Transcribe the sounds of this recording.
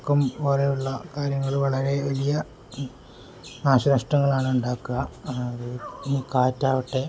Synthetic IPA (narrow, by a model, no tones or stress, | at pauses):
kːɐmpoːlejuɭːɐkaːɾjɐŋːɐɭʋɐɭɐɾe̞ʋɐlijɐ | naːɕɐnɐʂʈɐŋːɐɭaːɳɨuɳɖaːkːuɣɐɐðɨinikaːtːaːʋɐʈːe